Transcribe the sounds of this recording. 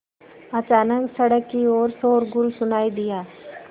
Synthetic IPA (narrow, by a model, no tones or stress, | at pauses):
ɐt͡ʃaːnəksɐɽəkːioːɾsoːɾɡʊlsʊnaːid̪ɪjaː